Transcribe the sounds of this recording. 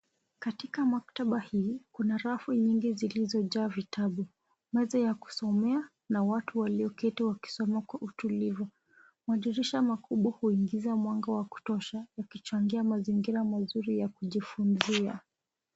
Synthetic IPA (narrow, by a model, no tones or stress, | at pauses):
katikamak̚taɓahiːkunaɾafiɲiŋɡizilizɔʄaːvitʰaɓu | mɛzɔjaku̥sɔmɛa | nawatuwaliɔkɛtɛwaki̥sɔmakwaʔutulivu | maɗiɾiʃamakuɓwahuiŋɡizamwaŋɡawaku̥tɔʃajakit͡ʃaŋɡiamaziŋɡiɾamazuɾijakuʄifunzia